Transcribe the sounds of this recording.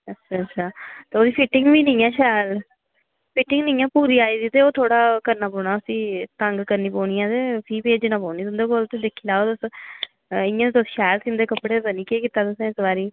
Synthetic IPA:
ətːʃʰaːtːt͡ʃʰʃʰaːt̪eːoːd̪iːpʰɪʈːɪŋɡʋiːnĩːɛːʃɛːl | pʰɪʈːɪŋɡnĩːɛ̃ːpuːɾiːaːiːd̪iːt̪eːoːt̪ʰoːɽaːkəɾnaːpɔːɳaːəsĩːt̪əŋɡkəɾniːpoːnijãːt̪eːpʰiːpeːd͡ʒnãːpɔːniːt̪ʊnd̪eːɡoːlt̪eːd̪ekʰːiːlaːot̪ʊs | ɪ̃jãːt̪et̪ʊsi̥ːʃɛːlsɪ̃nd̪eːkəpːɽeːbənĩːkeːkit̪ːaːt̪ʊsẽːɪsʋaːɾiː

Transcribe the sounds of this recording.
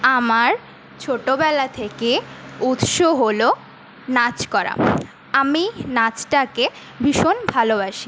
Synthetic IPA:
amaɾ | t͡ɕʰoʈobɛlat̪ʰekeut̪ʃoɦolo | nat͡ɕkɔɾa̰ | aminat͡ɕʈake | bʱiʃonbʱalobaʃi

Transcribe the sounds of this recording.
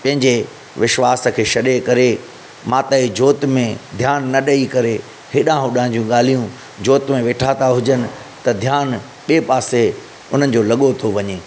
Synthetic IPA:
pɐ̃ɦɪ̃ɲd͡ʑe | ʋɪʃʋaːsəkʰeːʃɐɗekɐɾe | mãːt̪əid͡ʑoːt̪mẽd̪ʱjaːnːɐɗɐikɐɾe | hɪɗãɦʊɗãɪ̃d͡ʑũɠaːl̤ijũ | d͡ʑoːt̪mẽʋeːʈʰat̪aɦʊd͡ʑənɪ̆ | t̪ɐd̪ʱjaːn | ɓeːpaːse | ʊn̤ənɪ̆d͡ʑoːlɐɠot̪ʰoʋɐɲeː

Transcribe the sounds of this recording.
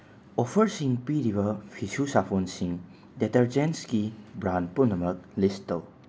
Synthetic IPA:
ɔpʰɐɾsiŋpiɾiβɐpʰisusapʰonsiŋ | detɐɾd͡ʒenskibɾanpunɐmɐk̚listɐl

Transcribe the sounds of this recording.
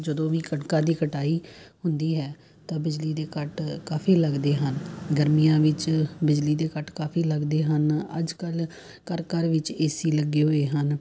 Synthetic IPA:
d͡ʒəd̪õːʋiːkəɳkãːd̪iːkəʈaːiːhʊnd̪iːɦɛː | t̪ãːbɪd͡ʒliːd̪eːkəʈkaːpʰiːləɡd̪eːɦənɡəɾmijãːʋɪt͡ʃbɪd͡ʒliːd̪eːkəʈkaːpʰiːləɡd̪eːɦənə̰d͡ʒkəl | kəɾkəɾʋɪt͡ʃeːsiːləɡeːɦoːeːɦən

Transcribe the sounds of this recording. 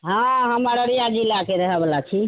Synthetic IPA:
ɦãɦəməɾəɾijad͡ʒilakeɾəɦɛbəlat͡ʃʰi

